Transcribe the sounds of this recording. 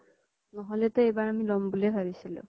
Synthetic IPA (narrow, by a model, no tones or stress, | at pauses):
nɔɦɔlɛtʊejbaɹamilɔmbulɛbʱabisilʊ̰̃